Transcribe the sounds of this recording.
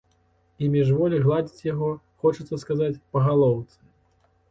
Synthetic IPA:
imʲiʐvɔlʲiɣlˠad͡zʲit͡sʲjaɣɔ | xɔt͡ʃut̪sːɐskazat͡sʲpɐɣalˠɔwt̪sɨ̥

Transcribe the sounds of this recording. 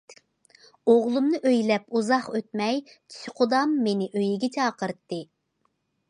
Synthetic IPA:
oʁlˠumnɨʔøjlɛpuzɑχøt̪mɛj | t̪ʰy̥sqʰʊd̪ɑmːenɪʔøjiɡʲɛt͡ʃʰɑːqəɾt̪ːɨ

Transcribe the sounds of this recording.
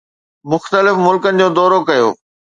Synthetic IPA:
mʊxt̪əlɪfmʊlkənɪ̆d͡ʑoːd̪ɔːɾokɐjo̰ː

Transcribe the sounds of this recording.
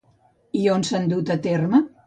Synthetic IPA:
ionsand̪ut̪ət̪ermə

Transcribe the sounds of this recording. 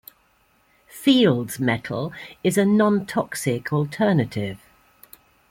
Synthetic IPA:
fiːlˠdz̥mɛtʰˡə̰lˠɪzənɒ̃ntʰɒksɪkʰɔlˠtʰɜːnətʰɪv̥

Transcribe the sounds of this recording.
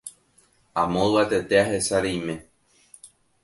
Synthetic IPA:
ãmõat̪e̞t̪e̞aɦe̞saɾejmẽ̞

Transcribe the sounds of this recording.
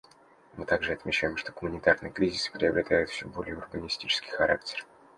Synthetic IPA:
mɨt̪aɡʐɨɐt̪mʲɪt͡ɕːæjɪmʂt̪oɡʊmʊnʲɪt̪arnɨjəkɾʲizʲɪsɨ̥pɾʲɪɐbɾʲɪt̪ajʊt̪fsʲobo̞lʲɪjəʊrbənʲɪsʲtʲit͡ɕɪ̥skʲɪ̥jxɐɾak̚tʲɪ̥r

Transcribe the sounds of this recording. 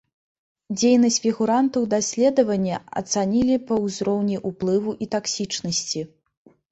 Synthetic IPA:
d͡zʲejnɐsʲt͡sʲfʲiɣuɾant̪ɐwd̪asʲlʲɛd̪ɐvɐnʲːɐɐ̰t̪sanʲilʲipɐwzɾɔwnʲiʔuplˠɨvuʔit̪aksʲit͡ʂnɐsʲt͡sʲi

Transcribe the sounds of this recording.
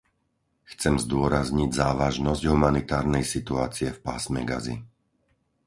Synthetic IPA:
xt͡sɛmzd̪ʊɔɾazɲiɟzaːʋaʒnɔzɟɦumanit̪aːɾnɛjsit̪uaːt͡siɛfpaːsmɛɡa̰zḭ

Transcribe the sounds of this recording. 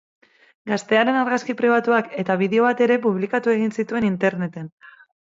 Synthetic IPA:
ɡast̪e̞aɾe̞naɾɣaskipɾiβ̞at̪uake̞t̪aβ̞iðe̞o̞β̞at̪e̞ɾe̞puβlikat̪ue̞ɣ̞insit̪ue̞nint̪e̞ɾne̞t̪e̞n

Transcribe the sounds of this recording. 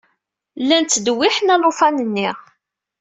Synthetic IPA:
lːænt̪ːd̪wɪħnælˤofænənːiʁ

